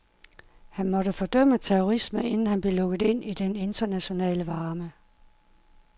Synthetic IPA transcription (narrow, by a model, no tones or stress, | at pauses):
hænmɒ̽ɾ̥əfɒ̽d̥œm̰ət͡sʰeʁoʁisməe̝nn̩hænb̥le̝lɔ̽ɡ̥ð̩ˠe̝n̰ʔid̥ene̝nd̥ɐnæɕo̝nɛ̰ːləʋɑ̈ːmə